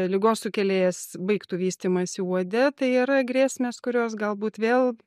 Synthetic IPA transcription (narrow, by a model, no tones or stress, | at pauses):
lʲɪɡoːssʊkʲɛlʲeːjɛsbɐɪkt̪uːʋʲiːsʲt̪ʲiːmɐsʲɪuɔd̪ʲɛt̪ɐɪiːɾɐɡɾʲeːsʲmʲeːskʊɾʲoːs̬ɡɐlˠbuːt̪ʋʲeːlˠ